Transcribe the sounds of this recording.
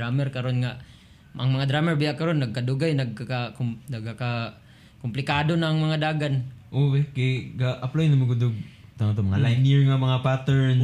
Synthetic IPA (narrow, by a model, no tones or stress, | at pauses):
amɛɾkɐɾonŋaʔ | ʔɐ̰ŋmɐŋad̪ɾaːmɛɹbɪaʔkɐɾonːɐɡ̚kad̪ʊɡajnɐɡ̚kakaknɐɡaka | kʊmplɪkaːd̪onaŋmɐŋad̪aːɡanʔowekejɡaʔɐplajnɐmoɡʊd̪ʊɡ̚t̪aŋat̪̬omɐŋalajniɹŋamɐŋapat̪ɛɹn